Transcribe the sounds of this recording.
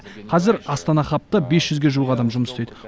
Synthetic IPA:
qʰɑzɪɾɑst̪ɑnɑχɑp̚t̪ɑbesʒ̥ʏzɡʲe̞ʒuwˠəʁɑd̪ɑmʒʊməst̪ejd̪ə

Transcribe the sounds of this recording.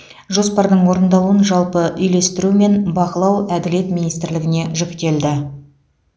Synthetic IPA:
ʒo̞spɑɾd̪əɴwo̞ɾənd̪ɑlˠuənʒɑlˠpəʔʏjle̞st̪ɪɾume̞nbɑqəlˠɑwæd̪ɪle̞t̪mʲinijst̪ɪɾlɪɡʲɪne̞ʒʏkʲt̪ʲe̞ld̪ɪ

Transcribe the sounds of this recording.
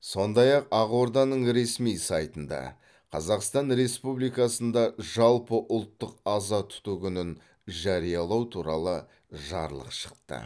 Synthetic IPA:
sso̞nd̪ɑjɑqɑʁo̞ɾd̪ɑnəɴɾe̞smijsɑjt̪ənd̪ɑ̰ | qʰɑzɑqst̪ɑnɾe̞spublijkɑsənd̪ɑʒɑlˠpəʔʊlˠt̪ːəqɑzɑt̪ʰʊ̥t̪ukʲʏnɪn | ʒɑɾijɑlˠɑwt̪ʰuɾɑlˠə | ʒɑ̰ɾlˠə̰qʃə̥qt̪ə̰

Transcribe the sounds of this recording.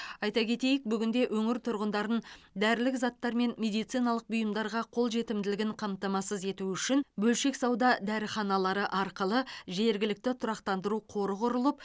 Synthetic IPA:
ɑjt̪ɑkʲʰe̞t̪e̞jɪk̚bʏɡʲɪnd̪e̞ʔɵŋɪɾt̪ʰʊɾʁənd̪ɑɾənd̪æɾlɪkzɑt̪ːɑɾme̞nme̞d̪ijt̪sijnɑlˠəq̚bʊjəmd̪ɑɾʁɑqʰo̞lˠʒe̞t̪ɪmd̪ɪlɪɡʲɪɴqʰɑmt̪ɑmɑsəze̞t̪uʏʃɪnbɵlʃe̞ksɑwd̪ɑd̪æɾɪχɑnɑlˠɑɾəʔɑɾqəlˠəʒe̞ɾɡʲɪlɪk̚t̪ɪt̪ʰʊɾɑqt̪ɑnd̪əɾuqʰo̞ɾəʁʊɾəlˠəp̚

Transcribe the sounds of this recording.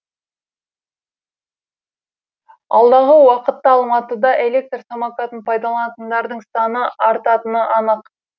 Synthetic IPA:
ɑlˠd̪ɑʁəwɑqət̪ːɑɑlˠmɑt̪əd̪ɑʔe̞lʲe̞k̚t̪rsamakat̪ənpʰɑjd̪ɑlˠɑnɑt̪ənd̪ɑɾd̪əɴsɑnəɑɾt̪ɑt̪ənəʔɑnəq

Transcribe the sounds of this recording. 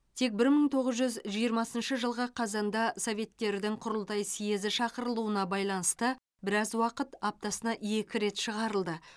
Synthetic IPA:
t̪ʰe̞k̚bɪɾməɴt̪ʰo̞ʁəzʒʏzʒijəɾmɑsənʃəʒəlˠʁəqʰɑzɑnd̪ɑso̞vʲe̞t̪̚kʲe̞ɾd̪ɪŋqʰʊɾəlˠt̪ɑjsijezɪʃɑqəɾəlˠuənɑbɑjlˠɑnəst̪ə | bɪɾɑzwɑqət̪ɑp̚t̪ɑsənɑʔe̞kʲɪɾe̞t̪ʃəʁɑɾəlˠd̪ə

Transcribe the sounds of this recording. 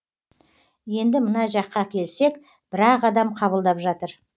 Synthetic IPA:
je̞nd̪ɪmənɑʒɑqːɑkʲʰe̞lse̞k | b̥ɪɾɑqɑd̪ɑmqʰɑβəlˠd̪ɑpʒɑt̪əɾ

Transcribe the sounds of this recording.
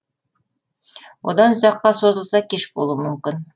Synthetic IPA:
ṵd̪ɑnzɑqːɑsozɤ̆lˠsɑkeʃbṵlˠumɵ̆mkʲɪn

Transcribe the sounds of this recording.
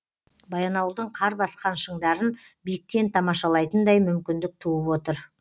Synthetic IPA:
bɑjɑnɑwlˠd̪əɴqʰɑɾbɑsqɑnʃəɴd̪ɑɾən | bijɪk̪̚ːʲe̞nt̪ʰɑmɑʃɑlˠɑjt̪ənd̪ɑjmʏmkʲɪnd̪ɪk̚t̪ʰuəpwo̞t̪əɾ

